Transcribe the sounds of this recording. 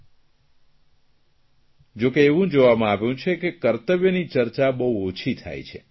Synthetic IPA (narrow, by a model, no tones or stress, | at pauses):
d͡ʒokeːʋũd͡ʒoʋamãaʋjũt͡ʃʰekekəɾt̪əʋjənit͡ʃəɾt͡ʃabəɦuot͡ʃʰit̪ʰa̰jt͡ʃʰḛ